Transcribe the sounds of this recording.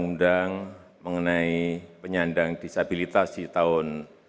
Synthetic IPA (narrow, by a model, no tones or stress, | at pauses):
ŋundaŋ | məŋənaipəɲandaŋd̥isabilit̪asit̪aʊn